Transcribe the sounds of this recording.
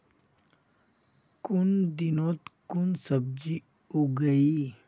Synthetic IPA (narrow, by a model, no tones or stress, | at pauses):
kʊnd̪ɪnõt̪kʊnsəb̚d͡ʒi | oɡɐi